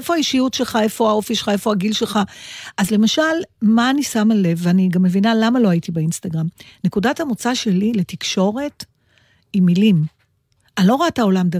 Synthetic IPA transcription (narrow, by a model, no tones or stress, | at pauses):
efoaiʃijutʃe̞lχae̞fo̞ao̞fiʃelχae̞fo̞aɡilʃe̞lχaʔazle̞maʃalmaːnisamale̞vaniɡamːe̞vinalamalo̞aitibeinstaɡʁamne̞kudathamot͡saʃe̞lile̞tikʃo̞ʁe̞t | imilim | alo̞ʁaatao̞lamd̪a